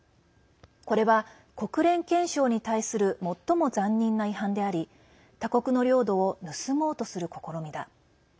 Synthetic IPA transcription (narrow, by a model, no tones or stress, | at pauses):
ko̞ɾe̞βa | ko̞kɯ̟ɾẽ̞ŋkẽ̞ɰ̃ɕo̞ːɲ̟it̪aisɨɾɯ̟mo̞t̪ːo̞mo̞zãɲ̟ːĩnːaiɦãnd̪e̞aɾʲi | t̪ako̞kɯ̟no̞ɾʲo̞ːd̪o̞ːnɯ̟sɨmo̞ːt̪o̞sɨɾɯ̟ko̞ko̞ɾo̞mʲid̪a